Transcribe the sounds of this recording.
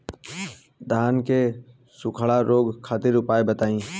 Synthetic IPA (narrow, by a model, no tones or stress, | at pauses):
d̪ʱaːnke | sʊkʰəɭaɾoːɡkʰaːt̪ɪɾʊpaːebət̪aːĩː